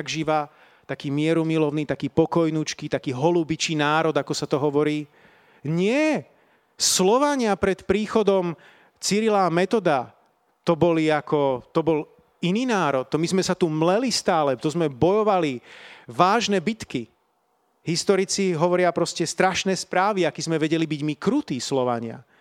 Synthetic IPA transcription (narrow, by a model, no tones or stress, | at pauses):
aɡʒiʋa | t̪akiːmɪɛɾumilɔʊniːt̪akiːpɔkɔjnut͡ʃkiːt̪akiːɦɔlubit͡ʃiːnaːɾɔd̪akɔsat̪ɔɦɔʋɔɾiː | ɲɪɛ | slɔʋaɲɪapɾɛt̪pɾiːxɔd̪ɔm | t͡siɾilaːmɛt̪ɔd̪a | t̪ɔbɔliakɔt̪ɔbɔl | iniːnaːɾɔt̪ːɔmizmɛsat̪umlɛlist̪aːlɛt̪ɔzmɛbɔjɔʋaliʋaːʒnɛbit̪ki | ɦist̪ɔɾit͡siɦɔʋɔɾɪapɾɔscɛst̪ɾaʃnɛːspɾaːʋiakizmɛʋɛɟɛlibiɟmikɾut̪iːslɔʋa̰ɲɪa̰